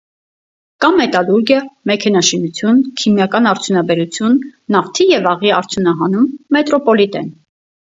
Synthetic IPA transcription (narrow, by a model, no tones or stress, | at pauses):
kɑmːɛt̪ɑluɾɡjəmɛkʰɛnɑʃinut͡sʰjunkʰimjɑkɑnɑɾt͡sʰjunɑbɛɾut͡sʰjunːɑft̪ʰijɛvɑʁiɑɾt͡sʰjunɑɦɑnumːɛt̪ɾɔpɔlit̪ɛn